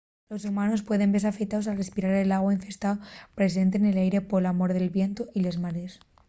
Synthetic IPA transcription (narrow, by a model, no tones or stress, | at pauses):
lo̞sumãno̞spwe̞ðe̞mbe̞ɾsafe̞kt̪aosalrespiɾaɾelaɣwaiɱfe̞st̪aopɾe̞s̬e̞nt̪̬eːne̞lajɾe̞poelamo̞ɾðe̞lβje̞nt̪oʔilezmaɾe̞s